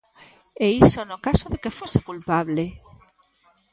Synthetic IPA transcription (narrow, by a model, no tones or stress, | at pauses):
eisonokasoðekefosekulpaβle